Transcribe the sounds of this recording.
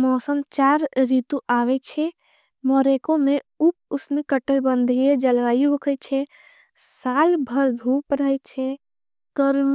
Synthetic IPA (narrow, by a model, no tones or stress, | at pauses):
mɔːsənt͡ʃaːɾɾit̪uʔaːʋɛt͡ʃʰɛ | mɔːɾekõmẽup̚ʊsmẽkəʈəlbə̃nd̪ʱijed͡ʒəlʋaːjuɦʊkʰət͡ʃʰɛ | saːlbʱəɾd̪ʱuːpɾəɦɛt͡ʃʰɛ | kəɾm